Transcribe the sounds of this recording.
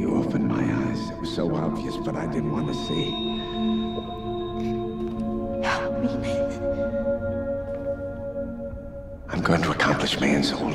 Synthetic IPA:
ɨ̰opɨ̃nma̰ɪaɪz̥ɨt̚wʌz̥soʊɑviɨsb̥ʌɾaɪdɪdⁿn̩ʔ̚wɑ̃nʰɨsi | hɛpmimi | ãɪ̃mɡoʊɪ̃ŋtʰəəkʰɑ̃mpʰlɨʃmiɨ̃nso

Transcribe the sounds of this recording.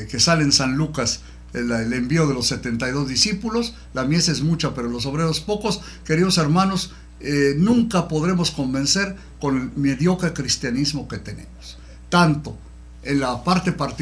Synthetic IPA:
ke̞salensanlukas | lele̞mbio̞ð̞e̞lo̞sːe̞t̪e̞nt̪ajðo̞zðisipulo̞s | lamje̞sezmut͡ʃape̞ɾolo̞s̬o̞β̞ɾe̞ɾospo̞ko̞s | ke̞ɾið̞o̞se̞ɾmãno̞s | enũŋkapo̞ð̞ɾe̞mo̞sko̞mbe̞nse̞ɾ | ko̞nlme̞ðjo̞kɾekɾist̪janizmo̞ke̞t̪e̞ne̞̰mo̥s | t̪ant̪o̞ | enlapaɾt̪e̞paɾt̪

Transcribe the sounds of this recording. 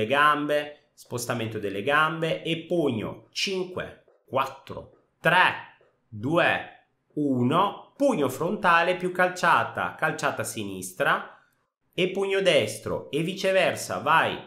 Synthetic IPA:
eɡambe | spost̪ament̪od̪elːeɡambeʔepːuɲːo̰t͡ʃiŋkwḛ | kwat̪ːɾo̰ | t̪ɾɛ | d̪uːe | uːnopuɲːofɾont̪aːlepjukːalt͡ʃaːt̪a̰kalt͡ʃaːt̪asinist̪ɾa | epːuɲːod̪ɛst̪ɾo̰evit͡ʃevɛrsa̰vaj

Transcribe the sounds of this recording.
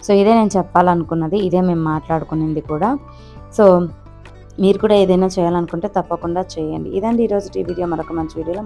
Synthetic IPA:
so̞ːid̪eːneːnut͡ʃɛpːaːlɐnukunːɐd̪iːd̪e̞ːme̞ːmːaːʈlaːɽukunːind̪ikuːɽaː | so̞ː | miːɾukuːɽaːe̞ːd̪ɐjnaːt͡ʃɛːjaːlɐnukuɳʈe̞ːt̪ɐpːɐkuɳɖaːt͡ʃɛːjɐɳɖḭid̪ɐɳɖiːɾo̞ːd͡ʒuʈḭːʋiːɽijoːmɐɾɐkumɐnt͡ʃiʋiːɽijoːloː

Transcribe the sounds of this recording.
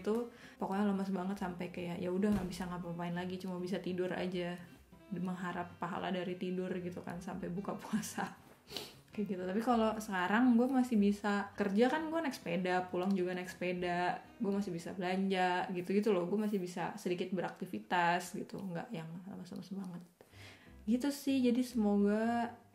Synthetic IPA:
t̪upakojaŋləmas̬baŋət̪sampajkajaʔjaudahŋɡaʔbisaŋɡapapaɪnlaɡit͡ʃumabis̬at̪idʊra̰d͡ʒa | məŋɦaɾapːaɦa̰la̰daɾit̪idʊrɡit̪uka̰nsampajbukapuasa | kaɡit̪ut̪apikalosəkaɾaŋɡuamasɪhbisakərd͡ʒakanɡuanɛkspedapulaŋd͡ʒuɡanɛkspedaʔ | ɡuamasɪhbisa̰bəlaɲd͡ʒaɡit̪uɡit̪uloɡuamasɪhbisa̰sədikɪt̪̚bəɾak̚t̪ifit̪asɡit̪ṵŋɡa̰ʔjaŋla̰masamasəmaŋət̪̚ | ɡit̪usɪhd͡ʒadisəmoɡa

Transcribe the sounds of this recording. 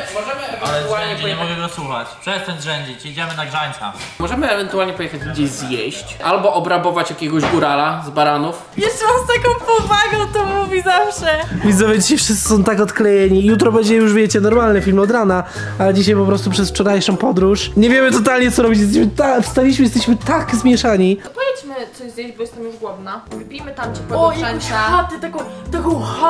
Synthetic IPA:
mɔʐɛmvɛvɛnt̪ualɲɛpɔjɛɛɡɛɡɔsuxa̰t͡ɕt̪sɔjɛst̪ɛnd̪ʐɛɲd͡ʑit͡ɕjed͡ʑɛmɘnaɡʐaɲt̪sa̰mɔʐɛmɘɛvɛnt̪ualɲɛpɔjɛxad͡ʑɡd͡ʑeɕzjeɕt͡ɕʔalbɔʔɔbɾabɔvat͡ɕjakʲɛɡɔʑɡuɾalazbaɾanuf | jɛʃlʲivast̪akɔ̃w̃pɔvaɡɔ̃w̃t̪ɔmuvʲizafʂɛvʲid̪zɛvɛd͡ʑiɕajfʂɨssɘ̥sɔ̃w̃t̪akɔt̪klɛjɛɲijut̪̬ɾɔbɛɲd͡ʑɛjuʐvʲjɛt͡ɕɛnɔɾmalnɛfʲilmɔd̪ɾana | ad͡ʑiɕajpɔpɾɔst̪upʂɛsft͡ʂɔɾajʂɔ̃pɔd̪ɾuʂɲɛvʲjɛmɘt̪ɔt̪̬alɲɛt̪sɔɾɔbʲit͡ɕjɛst̪ɛɕmɘt̪afst̪alʲiiɕ̬mɘjɛst̪ɛɕmɘt̪aɡzmʲjɛʂaɲiɔpɔvʲjɛt͡ɕmɘt̪sɔjzʲjeʑbɔjɛst̪ɛmjuʐɡwɔd̪navpʲimɘt̪amt͡ʃɛpɔaaxat̪ɛt̪akɔ̃wt̪akɔ̃w̃xa

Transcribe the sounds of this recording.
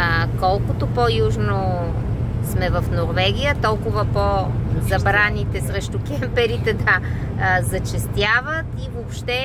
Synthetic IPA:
kɔlˠkʊt̪opojuʒno | smɛvɐfnoɾvɛɡʲijət̪ɔlˠkʊvəpozɐbɾanit̪ɛsɾɛʃt̪ʊk̟ʲɛmpɛɾit̪ɛd̪ə | zɐt͡ʃɛst̪javət̪ivopʃt̪ɛ

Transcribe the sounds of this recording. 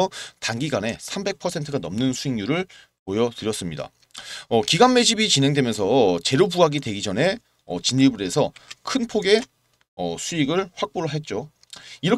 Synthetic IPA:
ʌtaŋɡiɡane̞sʰambe̞k̚pʰʌsʰe̞ntʰɯɡanʌmnɯnsʰuiŋɲuɾɯɭ | pojʌtɯɾjʌs͈ɯmɲida̰ | ʌkiɡanme̞d͡ʑibit͡ɕinɦe̞ŋdwe̞mjʌnsʰʌt͡ɕe̞ɾobuaɡidwe̞ɡid͡ʑʌne̞ | ʌ̰t͡ɕinːibuɾe̞sʰʌkʰɯnpʰoɡe̞ | ʌsʰuiɡɯɭɸwak̚p͈oɾɦet̚t͡ɕ͈o | iɾʌ

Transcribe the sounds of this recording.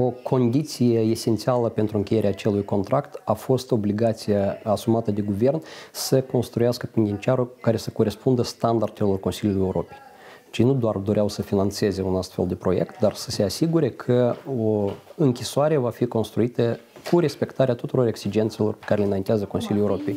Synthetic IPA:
o̞kʰo̞nd̪it̪sijeese̞nt̪sialəpe̞nt̪ɾuɨŋkʲeje̞ɾeaːt͡ʃe̞lujko̞nt̪ɾʔakt̪afo̞st̪o̞bliɡat̪sijaasumat̪əd̪e̞ɡuve̞rnsəko̞nst̪ɾujaskəpend̪ʲint͡ʃiaɾukaɾe̞səko̞ɾe̞spund̪əst̪and̪ard̪elo̞rko̞nsilʲulujeuɾo̞pej | t͡ʃejnud̪oard̪o̞ɾeawsəfinant̪se̞ze̞unast̪fe̞ld̪e̞pɾo̞je̞̰kt̪̚d̪arsə̥se̞asiɡuɾe̞kʰəoɨŋkʲisoaɾe̞vafiko̞nst̪ɾuit̪əkʰuɾe̞spe̞kt̪aɾeat̪ut̪uɾo̞ɾe̞ksid͡ʒe̞nt̪se̞lo̞rpekaɾelenajint̪ɪazəkosilʲuljeuɾo̞pe̞j

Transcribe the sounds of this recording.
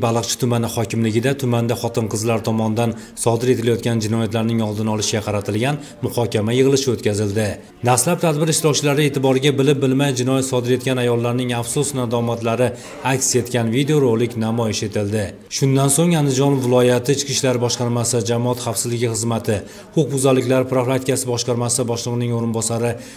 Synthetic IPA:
balˠɨqt͡ʃʰɪ̥t̪ʰʊmanɪχɒkʲɪmlɪɡʲɪd̪at̪ʰʊmand̪aχɒt̪ʰɪnqʰɨzlaɾt̪ʰɒmɒnd̪an | sɒd̪ɪɾe̞t̪ʰɪlajɒt̪̚kʲand͡ʒɪnɒjat̪laɾnɪŋɒlˠd̪ɪnɒlˠɪʃɪɡʲaqʰɑɾat̪ʰɪlɡʲan | mʊhɒkʲamajɨʁɨlˠɪʃɪot̪kʲʰazɪld̪ɪ | naslap̚t̪ʰad̪bɪɾɪʃlɒwt͡ʃʰɪlaɾɪe̞t̪ʰɪbɒɾɪɡʲabɪlɪp̚bɪlmajd͡ʒɪnɒjat̪sɒd̪ɪɾe̞t̪̚kʲanajɒlˠːaɾnɪŋafsʊsnad̪ɒmat̪laɾɪ | akʲse̞t̪kʲanvid̪eoɾolˠɪkʲnamɒjɪʃe̞t̪ʰɪld̪ɪ | ʃʊnd̪ansoŋand̪ɪd͡ʒɒnvɪlˠɒjat̪ʰɪɪt͡ʃkʲɪʃlaɾbɒʃqɑɾmasɪd͡ʒamɒat̪χafsɪzlɪɡʲɪχɨzmat̪ʰɪ | qʰʊqbʊzalɪkʲlaɾɪpɾoflˠat̪ʰɪkʲasɪbɒʃqɑɾmasɪbɒʃlˠɨʁɨnɪŋoɾɪnbɒsaɾɪ

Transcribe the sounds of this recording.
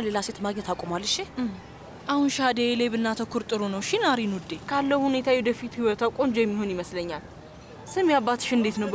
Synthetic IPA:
le̞laset̪maɡɲɛt̪akʼomalːɨʃɪ | ʔahunʃad̪eleβɨnːat̪ʰəkʰːʊɾt̪ʼɨɾunəwʃɪnaɾinud̪ːekʰalːəwhune̞t̪ʰajɛd̪əfit̪hiwɔt̪awkʼond͡ʒojɛmːiho̞njiməsləɲːal | sɨmjabːat̪ɨ̥ʃɨnd̪e̞t̪nəw

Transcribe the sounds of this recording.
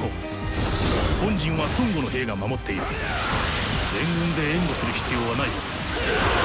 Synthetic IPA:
o | hõ̞ɲ̟d͡ʑĩɰ̃βasõŋɡo̞no̞ɦe̞ːɡamamo̞t̪ːe̞iɾɯ̟ | dẽ̞ŋɡɯ̟̃nd̪ẽ̞ːŋɡo̞sɨɾɯ̟ɕçi̥t͡sɨjo̞ːβanaiko

